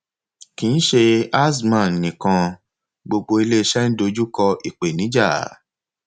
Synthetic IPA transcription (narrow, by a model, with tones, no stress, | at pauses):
kĩ˨˧n̩˦ʃe˧a˦s̬mã˨nĩ˨kã˧ | ɡ͡bo˧ɡ͡bo˧i˧le˦i˧ʃɛ˦n̩˦do˧˦d͡ʒu˦kɔ˧i˨k͡pe˨nĩ˨˦d͡ʒa˦˨